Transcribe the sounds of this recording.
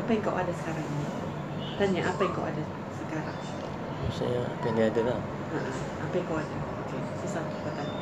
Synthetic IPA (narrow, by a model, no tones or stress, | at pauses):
apajaŋkawʔadasə̥kaɾaŋini | t̪aɲaʔapajaŋkawʔa̰da | səkaɾaŋ | masa̰jaŋa̰kaniadala | aʔa | apajaŋkawada | oke | səsat̪ubat̪aɲa